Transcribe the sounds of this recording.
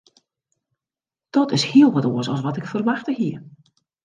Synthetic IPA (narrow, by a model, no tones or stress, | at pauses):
d̥ɔtɪshiəlˠʋɔtoəsɔ̰lˠs̬ʋɔtɪkfərʋaxtəhiə